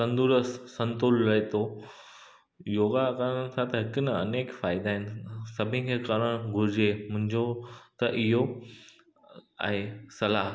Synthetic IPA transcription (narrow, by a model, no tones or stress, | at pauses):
sɐ̃nd̪uɾəssɐ̃nt̪ʊlːɐet̪o | joːɡakaɾən̆t̪ʰat̪ɐɦɪkʊnɐɐ̰neːkfaːɪd̪aːɦɪnɪ̆sɐbʱɪ̃kʰeːkɐɾəɽ̃ɡʱʊɾɪd͡ʑemʊ̃ɦɪ̃ɲd͡ʑot̪ɐʔɪɦo | ɛ̃ːsɐlaːɦ